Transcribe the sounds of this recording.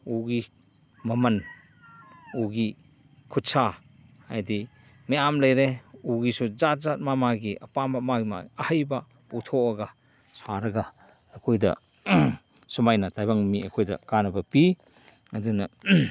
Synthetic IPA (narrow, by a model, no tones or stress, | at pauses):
uɡi | mɐmɐn | uɡi | kʰutsa | ajdi | miamlɐjɾeuɡisuzat̚zat̚mamaɡiʔɐpamamaɡma̰ɐhɐjbɐ | utʰoɐɡɐ | saɾɐɡɐː | kʰojdɐ̰ | sumajnɐtajbaŋmiɐkʰojdɐ̰kanɐbɐpi | ɐdunɐ